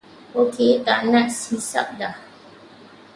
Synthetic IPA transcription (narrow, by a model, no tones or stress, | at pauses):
okʰetaʔnaʔsisa̰p̚da